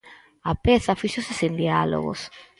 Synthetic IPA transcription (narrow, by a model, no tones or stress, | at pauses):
apɛθɐfiʃosesend̪ialo̰ɣo̰s